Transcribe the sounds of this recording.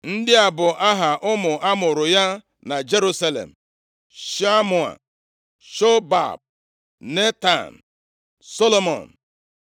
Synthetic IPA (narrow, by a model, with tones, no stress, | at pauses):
n̩˦dɪ˦a˨bʊ˨ʔa˦ɦa˨ʔʊ˦mʊ˨ʔa˦mʊ˨ɾʊ˨ja˦ | na˨d͡ʒe˦ɾu˦sa˦lḛ˨m̩˨ | ʃa˦mu˨a̰˨ | ʃo˦ba̰˨b̚ | ne˦ta̰˨n˨ | so˦lo˦mɔ̰˨n˨